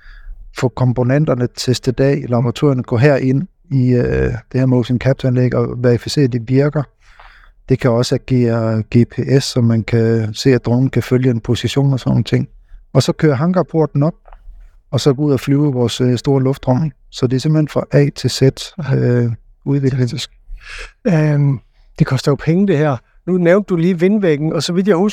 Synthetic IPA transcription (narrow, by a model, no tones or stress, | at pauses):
fɔkʰɒ̽mpʰo̝nen̰d̥ɐnət͡sʰe̝sd̥əd̥ɛ̰ːlɑ̈b̥ʁɑ̈t͡sʰṵɐnəɡ̥ɔ̰ɦæɐ̰ʔe̝n | iød̥e̝hæɐmoːsimkʰæb̥̚t͡sʰænleɡ̥əɒʋæifise̝̰ːɐd̥eʋiɐɡ̥ɐ | d̥e̝kʰæɒ̽səæɡ̥e̝̰ːɐɡ̥e̝pʰe̝ːʔesɒ̽mːænkʰæse̝̰ːæd̥ʁɔʊn̩kʰæføljəenpʰo̝siɕo̝̰ːnɒsɒnnət͡sʰe̝ŋ̰ɒ̽sɒ̽kʰøːɐɦɑ̈ŋɡ̥ɐpʰo̝ɐd̥n̩ɒ̽b̥̚ | ɒ̽sɒ̽ɡ̥ɔuð̰ˠæflyːʊʋɒːsøsd̥o̝ːɐlɔ̽fd̥ʁɒ̽ŋ̩ | sɒ̽d̥e̝æɐsembl̩e̝nfʁɑ̈ʔɛ̰ːt͡sʰe̝sed̥ø | uðˠʋekle̥ | d̥e̝kʰɒ̽sd̥ɐjo̝pʰeŋəd̥e̝hæɐ̰ | nuneʊnd̥ːuliːʋe̝nʋeɡ̥n̩ɒ̽sɒ̽ʋið̥̰jahu